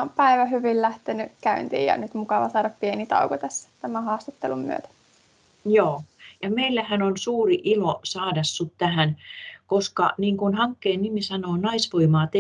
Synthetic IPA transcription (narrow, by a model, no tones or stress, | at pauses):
ompæiʋæhyʋillæht̪enykæy̰nt̪ḭːjɑ̰nyt̪mukɑʋɑ̰sɑːɾɑppienit̪ɑ̰ukot̪æsːæ̥t̪æmæhɑːst̪ɑt̪ːḛlummy̰ø̰t̪æ̥ | joːjɑmeilːæhænonsuːriʔilosɑːdɑsːut̪t̪æhænkoskɑ̰niːŋkunhɑŋkːeːnnimisɑnoːnɑisʋoimɑːt̪e